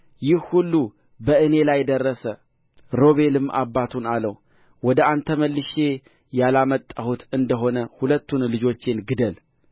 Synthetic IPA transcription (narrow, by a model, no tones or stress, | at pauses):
jɪhhulːu | bəʔɨnelajd̪ərːəsə | ɾo̞βe̞lɨmːʔa̰bːat̪ʰunaləw | wɔd̪əant̪ʰəməlːɨʃe̞ | jalamət̪ʼːahut̪ɨnd̪əɦo̞nəhulət̪ːunlɨd͡ʒo̞t͡ʃːɪnɡɨd̪əl